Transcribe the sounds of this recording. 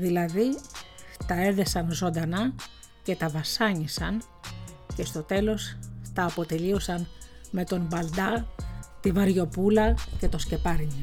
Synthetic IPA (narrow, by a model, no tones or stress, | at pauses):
ðilɐði | t̪ɐe̞ðe̞sɐnzo̞nd̪ɐnɐ | ce̞t̪ɐvɐsɐɲisɐn | ce̞st̪o̞t̪e̞lo̞st̪ɐːpo̞t̪e̞liosɐn | me̞t̪o̞mbɐld̪ɐt̪ivɐɾʝo̞pulɐce̞t̪o̞sce̞pɐɾɲi